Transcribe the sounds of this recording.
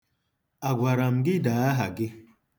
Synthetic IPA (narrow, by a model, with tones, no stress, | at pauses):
a˨ɡʷa˨ɾa˨m̩˨ɡɪ˦daː˨a˦ɦa˨ɡɪ˦